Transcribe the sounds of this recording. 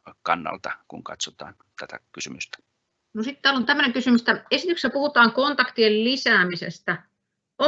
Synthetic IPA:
kɑnːɑ̰lt̪ɑkuŋkɑ̰t̪sot̪ɑːnt̪æt̪ækysymyst̪æ̥ | nosit̪t̪æːlont̪æmːøneŋkysymyst̪æesit̪yksæpuhut̪ɑːŋkont̪ɑkt̪iellisæːmisḛst̪æ | ʔo

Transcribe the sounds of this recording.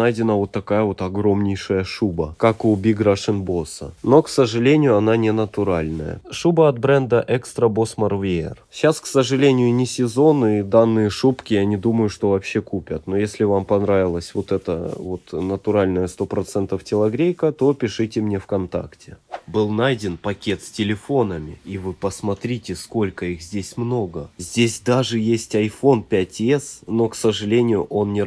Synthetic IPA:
ajdʲɪnəvo̞t̪ːɐkajəvo̞t̪ɐɡɾo̞mnʲɪjʂəjəʂubəkakʊbʲiɡɾaʂɨnbo̞sə̰no̞ksəʐɨlʲenʲɪjʊɐnanʲɪnət̪ʊɾalʲnə̰jə̰ʂubəɐt̪̚bɾɛnd̪əʔɛkst̪ɾəbo̞smɐrvʲeɪ̰rɕasksəʐɨlʲenʲɪjʊnʲɪsʲɪzo̞nɨid̪anːɨjəʂupkʲɪjanʲɪd̪uməjʊʂt̪o̞vɐpɕːekupʲət̪no̞jesʲlʲɪvampɐnɾavʲɪlˠəsʲvo̞t̪ɛt̪ə̰vo̞t̪nət̪ʊɾalʲnəjəst̪o̞pɾɐt̪sɛnt̪əftʲɪlˠɐɡɾʲejkət̪o̞pʲɪʂɨtʲɪmnʲe̞fkɐnt̪a̰ktʲɪbɨlˠnajdʲɪnpɐkʲe̞t̪sʲtʲɪlʲɪfo̞nəmʲɪ̰ivɨpəsmɐt̪ɾʲitʲɪsko̞lʲkəixzʲdʲesʲmno̞ɡəzʲdʲesʲd̪aʐɨjesʲtʲɐjfo̞npʲætʲɛsno̞ksəʐɨlʲenʲɪjʊʔo̞nnʲɪ

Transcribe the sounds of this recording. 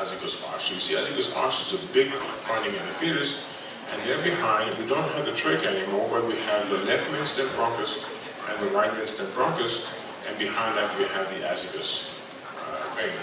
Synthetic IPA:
æzɨdɨsɑ̰ɹsjɨsiaɪθɪ̃ŋk̚ðɪsɑ̰t͡ʃɨzəbɪɡfãɪ̃ndɪ̃ŋɨ̃nɨfiɹɨs | ʔɨ̃nðə˞bɪhãɪ̃nwidõʊ̃nt̚ɦævðɨtʰɹ̥ɪkɛnimɔɹbʌt̚wiɨvðəlɛft̚mɪ̃nstɨ̃n̚bɹɑ̃ŋkəs | ʔɨ̃nðəɹaɪt̚mɪ̃nstɨ̃nbɹɑ̃ŋkəs | ʔɨ̃nbihãɪ̃nðɨt̚wiɨvðiʔæ̰sɨdɨs | kʰe

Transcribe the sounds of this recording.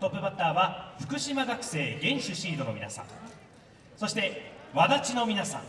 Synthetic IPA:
t̪o̞pːɯ̟bat̪ːaːβaɸɯ̟̥kɯ̟ɕimaɡakɯ̟̥se̞ːɡẽ̞ɰ̃ɕɨɕiːd̪o̞no̞mʲinasã̰ŋ | so̞ɕi̥t̪e̞βad̪at͡ɕino̞mʲinasã̰ŋ

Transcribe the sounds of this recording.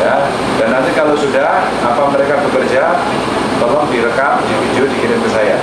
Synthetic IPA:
ja | danant̪ikalosudah | apaməɾekabəkərd͡ʒa | bəlaŋdiɾəkaʔdifidiodikiɾɪnt̪əsaja

